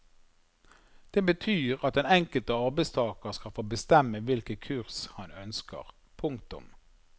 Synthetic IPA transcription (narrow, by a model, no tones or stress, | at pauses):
d̪̥eːbət̪ʰyːʁɑt̪̚ɛnɛŋkəlt̪əɑʁbɛɪst̪ʰɑːkəʁskɑlfoːbəst̪ɛməʋɪlkəkʰʉʁshɑnœnskə̰ʁ | pʰʊŋkt̪ʊ̰m